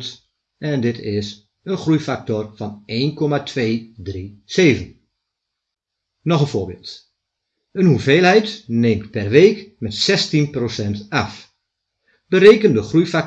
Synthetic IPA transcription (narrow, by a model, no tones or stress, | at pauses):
t | ɛndɪtʰɪs | ənxrujfak̚tɔrfɔneːnkʰɔmatʰʋeːdriseːvən | nɔxənfoːbɪ̰ːlˠt | ənhuveːlˠhɛjtneːmtpɛrʋeːkmɛtsɛstinprosɛntaf | b̥əɾeːkəndəxrujfak̚